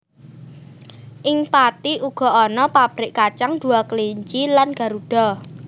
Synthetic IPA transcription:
ʔɪŋpat̪iʔuɡ̥ɔ̤ɔnɔpab̥ɾɪʔkat͡ʃaŋɖ̪̥ṳakliɲt͡ʃilanɡ̥ä̤ɾuɖ̥ɔ

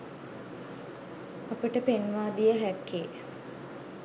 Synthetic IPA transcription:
apəʈəpenʋaːd̪ijəɦækːeː

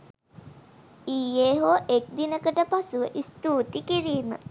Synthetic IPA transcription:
iːeːɦoːʔek̚d̪inəkəʈəpasuʋəʔist̪uːt̪ikiɾiːmə

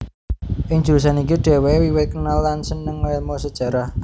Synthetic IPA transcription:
ʔɪŋ̥d͡ʒ̥ulus̬anikuɖ̪̥e̤wewiwɪt̪̚kənalːansənəŋɛlmosəd̥ʒ̥a̤ɾah

